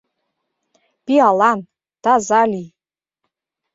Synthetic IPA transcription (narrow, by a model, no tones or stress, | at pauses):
b̥ialan | d̥azalʲi